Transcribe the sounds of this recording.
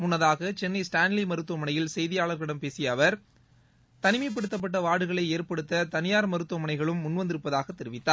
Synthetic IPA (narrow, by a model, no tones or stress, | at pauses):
mʊnːɐðaːɣɐt͡ʃɛnːɐɪsʈaːnlimɐɾɯt̪ːuɐmɐnɐjɪlsɛjðɪjaːɭɐɾɣɪɽɐmpeːsɪjɐʋɐɾ | t̪ɐnɪmɐɪp̬ːɐɽɯt̪ːɐp̬ːɐʈːɐʋaːɽɯɣɐɭɐɪeːɾpɐɽɯt̪ːɐt̪ɐnɪjaːɾmɐɾɯt̪ːuɐmɐnɐɪɣɐɭɯmːʊnːʋɐnd̪ɪɾɯpːɐðaːɣɐt̪ːɛɾɯʋɪt̪ːaːɾ